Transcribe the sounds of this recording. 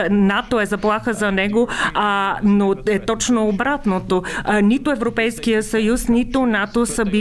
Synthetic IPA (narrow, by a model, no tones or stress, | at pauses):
nat̪oɛzɐplˠaxəzɐnɛɡo | noɛt̪ɔt͡ʃnoːbɾat̪not̪onit̪oɛvɾopɛjskijəsɐjusnit̪onat̪osəbi